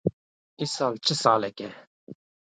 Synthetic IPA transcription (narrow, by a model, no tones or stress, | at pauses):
isɑːlt͡ʃʰɨsɑːlɛkʲɛ